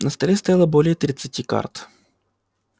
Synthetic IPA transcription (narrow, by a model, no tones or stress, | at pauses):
nəst̪ɐlʲest̪ɐjalˠəbolʲɪjət̪ɾʲɪt̪sɨtʲika̰rt̪